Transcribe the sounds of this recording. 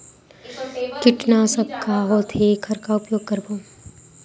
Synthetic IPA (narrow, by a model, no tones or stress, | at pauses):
kɪʈnasɐb̚kaːɦot̪ʰekʰɐɾkaʊpjoːɡ̚kɐɾboː